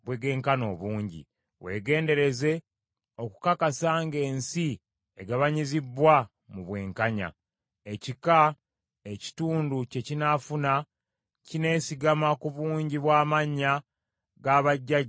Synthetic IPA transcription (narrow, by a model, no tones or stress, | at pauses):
βweɡe̞ːŋkano̞ːβuːɲɟḭ | wʔe̞̰ːɡe̞ːnde̞ɾe̞ze̞ | o̞kukakasaːŋɡe̞ːnsi | eɡaβaɲizibːwa | muβwe̞ːŋkaɲa̰ | e̞cika | eci̥tuːnduce̞cinafuna | cine̞ːsiɡamakuβuːɲɟiβwaːmaɲːa | ɡaβaɟːaɟ